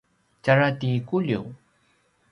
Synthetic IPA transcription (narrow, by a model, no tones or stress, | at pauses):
t͡ʃaɾat̪ikuʎḭw